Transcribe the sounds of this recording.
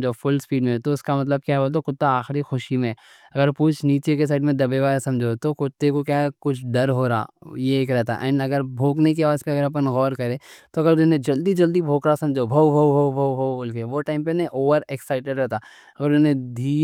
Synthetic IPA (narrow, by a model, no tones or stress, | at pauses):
d͡ʒofʊlspiːɖmẽt̪oʊskamɐt̪̬ləb̚kjaːbot̪̬okʊt̪ːaaːxɪɾixʊʃimẽ | ɐɡəɾpuːt͡ʃʰniːt͡ʃekes̬aːɪɖmẽd̪ɐbeʋaːsɐ̃md͡ʒʱot̪okʊt̪ːekokjaːkʊt͡ʃʰɖɐɾɦoːɾaa̰ːjeːkɾɛɦt̪a̰ʔɛ̰̃ːɳɖɐɡəɾbʱoːknek̬eaʋaːzpeɐɡəɾɐp̬ənɣɔːɾkɐɾẽːt̪oɐɡəɾɪnẽd͡ʒɐld̪id͡ʒɐld̪ibʱoːkɾasɐ̃md͡ʒʱobʱɐwbʱowbʱowbʱowbʱooːlkeʋoʈaːɪ̃mpenẽʔoːʋəɾeksaːɪʈeɖɾɛɦt̪a | ɐɡəɾʊnẽd̪ʱiː